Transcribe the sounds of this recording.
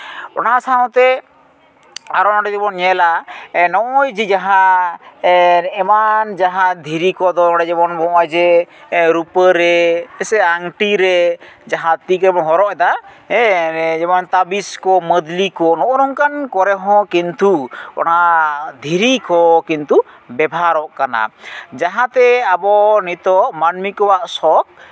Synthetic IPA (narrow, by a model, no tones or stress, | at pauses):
ɔ̰nasaɔ̃t̪ɛ | aɾɔnaɖɔt̪ibɔnɲɛlanɔʔɔjd͡ʒid͡ʒaɦã | ɛmand͡ʒaɦãd̪ʱiɾikɔd̪ɔɔɽɛd͡ʒɛbɔnbɔʔajd͡ʒɛɾupəɾɛɛsɛaŋʈiɾɛd͡ʒaɦãt̪ikɾɛbɔnɦɔɾɔʔɛd̪a | ɛd͡ʒɛmant̪abiskɔməd̪likɔnɔʔɔɾɔŋkankɔɾɛɦɔ̃kint̪uɔ̰nad̪ʱiɾikɔkint̪u | bɛbʱaɾɔʔkana̰d͡ʒaɦãt̪ɛabɔnit̪ɔʔmanmikɔwaʔsɔk̚